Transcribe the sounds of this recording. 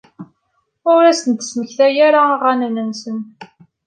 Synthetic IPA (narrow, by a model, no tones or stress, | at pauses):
ʊɾæsənt̪ə̥sməçθæjaɾaʁænənənsən